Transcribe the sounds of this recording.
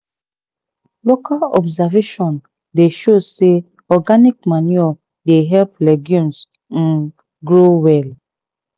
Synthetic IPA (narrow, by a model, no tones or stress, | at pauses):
lokalɔ̰bzaveʃɔ̃n | deʃose | ɔɡanikmaniɔ | deɦɛlplɛɡjũms̩ | ɡɾowɛl